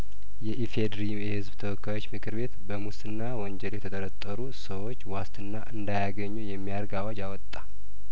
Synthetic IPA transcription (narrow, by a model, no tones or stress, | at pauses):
jɛʔifed̪ɾijɛhɨzbt̪ʰəwɔkʰːajo̞t͡ʃːmɨkʰɨɾbe̞t̪bəmust̪ɨnːawɔɲd͡ʒɛljɛt̪ʰət̪ʼəɾət̪ʼːəɾusəwo̞t͡ʃːwast̪ɨnːaʔɨnd̪ajaɡəɲːujɛmːijaɾɡawad͡ʒawɔt̪ʼːḁ